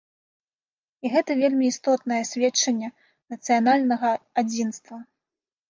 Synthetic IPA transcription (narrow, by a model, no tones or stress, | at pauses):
iɣɛt̪ɐvʲelʲmʲiːst̪ɔt̪̚nɐjɛsʲvʲɛt͡ʂːɐnʲːɛ | nɐt̪sɨjanalʲnɐɣɐad͡zʲinst̪vɐ